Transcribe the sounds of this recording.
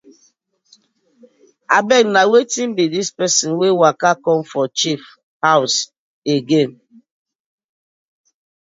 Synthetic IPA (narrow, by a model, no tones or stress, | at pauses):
a̰bɛknawetim̩bidispɛsĩnwewakakɔ̃mfɔt͡ʃif | haʊs | eɡen